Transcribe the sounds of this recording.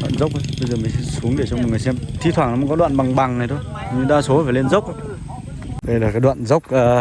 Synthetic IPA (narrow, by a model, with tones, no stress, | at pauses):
ɗwa̰ː˧˨nzə˦˥wk͡p̚ə˧ɓə˧jzəː˨˩mï˨˩ŋsɛ˧˥su˨˦əŋɗe˧˩t͡ɕɔ˧m̚˨˩ŋɨ˨˩əjsɛ˧mt̪ʰi˧t̪ʰwaː˧˩nɔ˨˦mː˨˦kɔ˨˦ɗwa̰ː˧˨nɓa˨˩ŋɓa˨˩ŋna˨˩jt̪ʰo˧jɲɨ˧ɗaː˧so˨˦faː˨˩le˧nzə˦˥wk͡p̚ʔa˧˨ | ɗe˧˩laː˨˩kaː˨˦jɗwa̰ː˧˨nzə˦˥wk͡p̚aː˨˧